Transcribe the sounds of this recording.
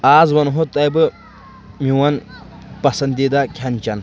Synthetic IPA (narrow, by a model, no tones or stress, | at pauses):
aːzwɐnɦot̪ɐjbɨ | miwɐnpɐsɐnd̪id̪akʲʰɐnʲt͡ʃɐn